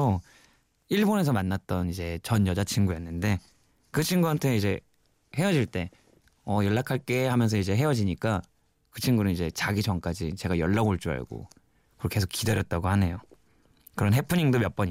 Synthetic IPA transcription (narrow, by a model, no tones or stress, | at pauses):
o | iɭbone̞s̬ʰʌmanːat̚t͈ʌnid͡ʑe̞t͡ɕʌnjʌd͡ʑat͡ɕʰiŋɡujʌnːɯnde̞ | kɯt͡ɕʰiŋɡuɦantʰe̞id͡ʑe̞ | he̞ʌd͡ʑiɭt͈e̞ | ʌjʌɭːakʰaɭk͈e̞hamjʌns̬ʰʌid͡ʑe̞ɦe̞ʌd͡ʑiɲik͈a | kɯt͡ɕʰiŋɡunɯnid͡ʑe̞t͡ɕaɡit͡ɕʌŋk͈ad͡ʑit͡ɕe̞ɡajʌɭːaɡoɭt͡ɕ͈ua̰ɭɡo̰ | kɯʌke̞s̬ʰo̥k͈ideɾjʌt̚t͈aɡohane̞jo | kɯɾʌnɦe̞pʰɯɲiŋdomjʌp͈ʌɲi